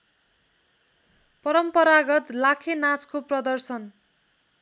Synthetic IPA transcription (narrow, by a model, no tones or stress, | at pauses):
pʌɾʌmpʌɾaɡʌt̪lakʰenat͡skoprʌd̪ʌrsʌn